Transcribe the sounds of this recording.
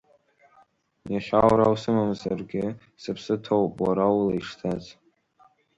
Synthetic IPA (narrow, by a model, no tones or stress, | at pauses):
jaχʲawɾawsɨmamzarɡʲɪ | sɨpʰsɨtʰowpʼwaɾawlaiʂtʰaz